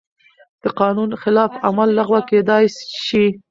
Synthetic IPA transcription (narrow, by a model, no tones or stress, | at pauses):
d̪̥əqɑnunxɪlɑfa̰malːaɣwaked̪ɑjsʃi